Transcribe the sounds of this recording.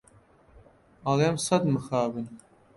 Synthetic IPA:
ɐlemsɐd̪mɨxaːbɨn

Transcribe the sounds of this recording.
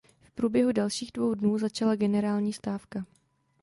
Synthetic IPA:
fpɾuːbjɛɦudalʃiːɣdvo̞wdnuːzat͡ʃalaɡɛnɛɾaːlɲiːst̪aːfka

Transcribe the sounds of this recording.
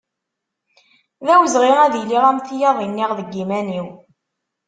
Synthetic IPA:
ðæwəzʁiʁæðiliʁæmθjɑðˤinːiʁðəɡːimæniw

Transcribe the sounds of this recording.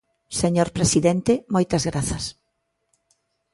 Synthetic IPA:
seɲoɾpɾesiðɛnt̪ɪmojt̪ɐzɣɾaθɐs

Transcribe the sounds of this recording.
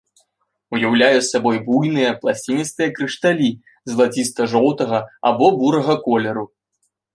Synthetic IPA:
ujawlʲajusabɔjbujnɨjɐplˠasʲt͡sʲinʲit̪st̪ɨjɐkɾɨʂt̪alʲi | zlˠat͡sʲist̪ɐʐɔw̪ˠt̪ɐɣɐa̰bɔbuɾɐɣɐkɔlʲɛɾu

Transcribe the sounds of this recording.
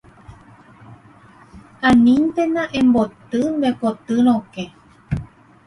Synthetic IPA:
ãnĩnt̪enãʔẽmbot̪ɨnd̪ekot̪ɨɾ̃õke

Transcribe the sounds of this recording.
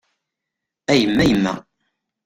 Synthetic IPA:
æjəmːæjəmːæ̰

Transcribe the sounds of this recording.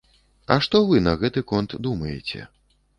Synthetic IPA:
ɐ̰ʂt̪ɔvɨnɐɣɛt̪ɨkɔnt̪d̪umɐjɛ̰t͡sʲɛ̰

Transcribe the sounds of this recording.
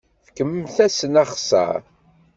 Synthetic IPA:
fkəmmθæsənaχsə̰ɾ

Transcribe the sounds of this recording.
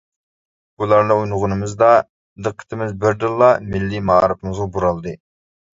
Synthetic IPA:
bulˠɑɾnɨujnʊʁʊnɨmɨzd̪ɑ | d̪əqʰːə̥t̪ʰɪmɪzbɪɾd̪ɨlˠːɑmɪlːimɑ̰ːɾɨpɨmɨzʁɑbuɾɑlˠd̪ɨ

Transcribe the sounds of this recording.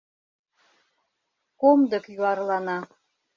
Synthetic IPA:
komd̪əkjuɑrlɑnɑ

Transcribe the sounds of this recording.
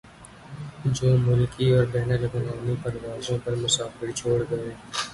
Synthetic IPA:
d͡ʒoːmʊlkiɔːɾbɛːnəlɡʊnaːmipɐɾʋaːzõpɐɾmʊsaːfɪɾt͡ʃʰoːɽɡɐeː

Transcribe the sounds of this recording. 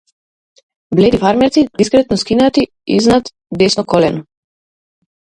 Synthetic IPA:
blɛd̪ifaɾmɛɾt̪sid̪iskɾɛt̪nɔskinat̪i | ḭznat̪ | d̪ɛsnɔkɔlɛnɔ

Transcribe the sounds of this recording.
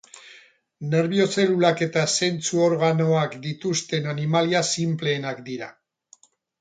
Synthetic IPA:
ne̞ɾβio̞se̞lulake̞t̪ase̞nt͡suo̞ɾɣ̞ano̞akd̪it̪ust̪e̞nanimaliasimple̞ːnakd̪iɾa̰

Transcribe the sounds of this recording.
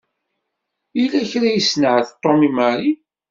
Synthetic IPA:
ilːæçɾæjisnəʕθt̪ˤːomimaɾi

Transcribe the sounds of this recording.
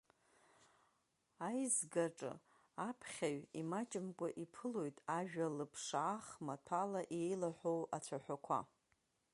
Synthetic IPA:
ajzɡaʈ͡ʂʼɨ̰ | apʰχʲaɥimat͡ʃʼɪmkʷʼaʔipʰɨlo̞jtʼaʒᶣalɨpʰʂaːχmatʰalaʔejlaħʷowat͡ɕʷʰaħʷᶣakʷʰa̰

